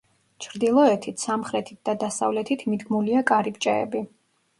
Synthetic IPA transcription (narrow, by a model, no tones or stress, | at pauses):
t͡ʃʰɾd̪ilˠɔɛt̪ʰit̪ʰsamχɾɛt̪ʰit̪̚d̪ad̪asa̰vlɛt̪ʰit̪ʰmid̪ɡmuliakʼaɾipt͡ʃʼɛɛ̰bi